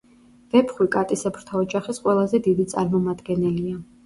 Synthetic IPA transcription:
v̥ɛpʰχwikʼat̪ʼisɛpʰɾ̥t̪ʰaɔd͡ʒaχisqʼwɛlˠazɛd̪id̪it̪sʼa̰ɾmɔmad̪ɡɛnɛlia

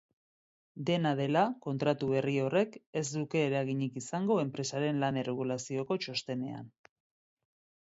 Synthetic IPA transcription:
d̪e̞naðe̞lako̞nt̪ɾat̪uβe̞rio̞re̞ke̞zd̪uke̞ːɾaɣiɲikisaŋɡo̞e̞mpɾe̞saɾe̞nlanereɣ̞ulasio̞ko̞t͡ʃo̞st̪e̞ne̞a̰n

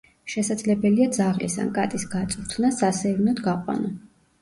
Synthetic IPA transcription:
ʃɛsad̪zlɛbɛliad̪zaʁlḭsa̰nkʼa̰t̪ʼisɡat̪sʼɾt̪ʰnasasɛvinɔd̪ɡaqʼwa̰nɔ

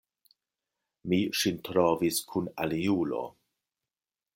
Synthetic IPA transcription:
miʃintɾoviskʰunaliulo̞̰

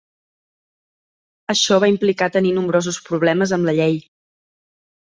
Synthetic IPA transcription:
əʃɔβaimplikat̪əninumbɾozuspɾuβlɛməzəmləʎej

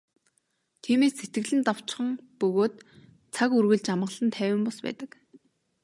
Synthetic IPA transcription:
t̪ʰiːmeːsːet̪ɡɘ̆ɮɘ̆nt̪aw̥t͡ɕχə̆ŋpɵɣoːt̪ | t͡sʰakurɣɘ̆ɮt͡ɕamʁə̆ɮə̆nt̪ʰæːwʲɪ̆mpɔspæ̰ːt̪ə̆k

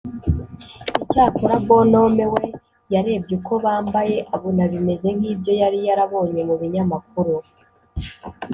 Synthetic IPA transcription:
icaːkoɾaɡo̞no̞ːme̞we̞ | jaɾe̞ːbɟeko̞βaːmbaje̞ʔaβonaβime̞ze̞ŋ̥hiːbjo̞jaɾijaɾaβo̞ːɲe̞muβiɲamak̚uɾu

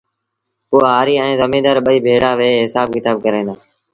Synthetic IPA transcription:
ʊːaːɦaːɾiːɛ̃ːzəmĩːd̪aːɾɓəiːbʱeːɽaːʋeːɦɪsaːb̚kɪt̪aːb̚kəɾẽːnaː

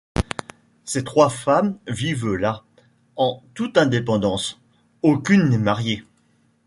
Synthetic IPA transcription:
set̪χwafamvivla | ɑ̃t̪ut̪ɛ̃d̪epɑ̃d̪ɑ̃s | okʲynːɛmaʁje

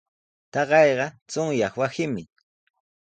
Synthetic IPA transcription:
t̪ɑɢɑjɢɑt͡sʊŋjɑχwasɪmɪ

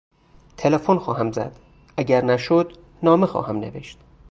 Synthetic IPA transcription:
t̪ʰelefonxɒːɦæmzæ̰d̪̥ | æɟæɾnæʃod̪ | nɒːmexɒ̰ːhæmne̞̰ve̞ʃt̪

